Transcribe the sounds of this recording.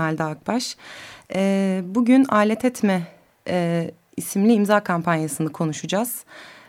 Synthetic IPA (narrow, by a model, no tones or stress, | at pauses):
alʲd̪aːk̚baʃ | ɛbuɟynaːlʲɛt̪ʰɛt̪mɛ | isimlʲiːmzaːkʰampʰanjasɯnakʰo̞nuʃud͡ʒaz̥